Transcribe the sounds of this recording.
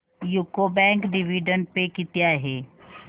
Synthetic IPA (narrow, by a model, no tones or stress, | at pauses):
juːkobɛ̃ːŋkɖɪʋiːɖə̃ɳɖ̚pekɪt̪jaɦɛː